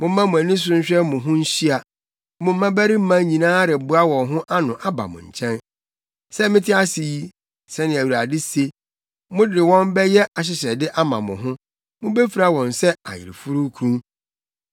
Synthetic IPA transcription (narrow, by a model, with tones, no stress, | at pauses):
mʊ̃˦mã˦mʊ̃˨æ˨nĩ˦s̬ʊ̃˦ɲ̩˦ɕᶣɛ˦mʊ̃˨ɦʊ̃˦n̩˦ɕi˦a˨ | mʊ̃˨m̩˦mã˦bæ˦ɾi˦m̩˦mã˦ɲĩ˨nãː˦ɾɪ˨bʊ˦a˦wɔ̃˨nɦʊ̃˦ʔa˦nʊ̃˨ʔa˦ba̰˨mʊ̰̃˨ɲ̩˨t͡ɕʰɛ̃˦n | sɛ˦mɪ̃˦tʰɪ˦a˦sɪ˨ji˦ | sɛ˦nɪ̃˨æ˨wu˨ɾa˨dɪ˦se˦ | mʊ̃˦dɪ˨wɔ̃˦mbɛ˦jɛ˦ʔa˨ɕ̬ɪ˨ɕɛ˨dɪ˦ʔa˦mã˨mʊ̃˨ɦʊ̃˦ | mʊ̃˦be˦fi˨ɾa˦wɔ̃˨nsɛ˦a̰˨jɪ̰˨ɾɪ˨fu˦ɾu˦kʰɾũ˦